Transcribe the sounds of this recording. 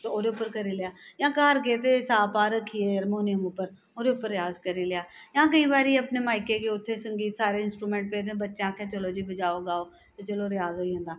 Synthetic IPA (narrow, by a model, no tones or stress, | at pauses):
t̪oːɾeʊpːəɾkəɾilɪjaːjãːkaːɾkeːt̪esaːpaːɾəkʰieəɾmoːnɪjəmʊpːəɾ | oːɾeʊpːəɾɪjaːzkəɾilɪjaːjãːkəĩːbaːɾiːəpneːmaːɪkekeːʊt̪ʰːesə̃ŋɡiːt̪saːɾeɪnsʈɾuːmẽːɳʈ̚peːt̪ẽbətːʃjãːkʰẽːt̪ʰoːloːd͡ʒiːbəd͡ʒaːoɡaːoː | t̪et͡ʃəloɾɪjaːzɦoːiːɦə̃nd̪aː